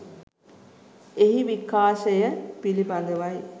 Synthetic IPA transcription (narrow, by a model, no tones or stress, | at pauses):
eɦiʋikːaːʃəjəpilibad̪əʋaj